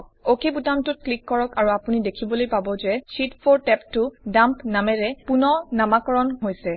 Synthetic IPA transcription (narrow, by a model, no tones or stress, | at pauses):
okebutamtʊt̚klikːɔɹɔkaɹuapunidekʰibɔlojpabɔzɛsitpʰoɹtɛptʊdampnamɛɹɛpunɔnamakɔɹɔnɦojsɛ